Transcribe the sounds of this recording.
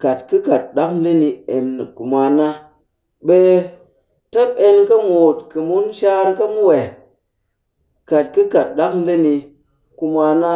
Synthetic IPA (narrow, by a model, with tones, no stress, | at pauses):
ka˨tkɨ˦ka˨t̚ɗa˦kn̩˦də˦ni˧e˨mnɨ̰˨ku˨mʷa˧na˦ | ɓe˦ | ta˦p̚e˦nkɐ˦moː˨tkɨ˨mu˦nʃa˦ɾka˦mu˦we˨ | ka˨t̚kɨ˦ka˨t̚ɗa˦kn̩˦də˦ni˧ | ku˧ma˧na˦